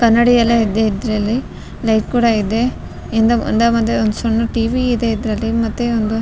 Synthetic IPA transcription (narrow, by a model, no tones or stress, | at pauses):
kɐnːɐɽijɐlːeid̪ːeid̪ɾɐlːi | lɐjʈ̚kuːɽɐid̪e̞ | end̪ɐmṵnd̪amɐt̪ːeond̪usonːɐʈiːʋiːd̪eid̪ɾɐlːimɐt̪ːeond̪u